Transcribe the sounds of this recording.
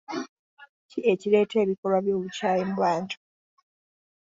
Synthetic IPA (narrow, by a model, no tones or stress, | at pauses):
cie̞cile̞ːtʰe̞ːβiko̞lwaβjo̞ːβucaːjemuβaːntʰu̥